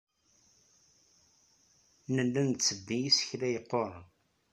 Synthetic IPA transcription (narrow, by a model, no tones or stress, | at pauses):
nəlːænt͡sːəbːijisə̥çlæjəqːoɾˤ